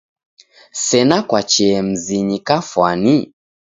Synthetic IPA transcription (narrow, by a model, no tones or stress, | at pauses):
sɛnakwat͡ʃɛm̩ziɲikafwani